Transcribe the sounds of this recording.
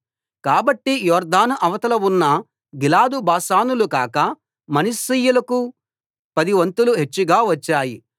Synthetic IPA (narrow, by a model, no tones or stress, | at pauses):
kaːbɐʈːijɔːɾd̪aːnɐʔɐʋɐt̪ɐlɐwunːɐ | ɡilaːd̪ubaːsaːnulukaːkɐ | mɐnisijulɐku | pɐd̪iʋɐnt̪uluɦet͡ʃːuɡaːʋɐt͡ʃːaːji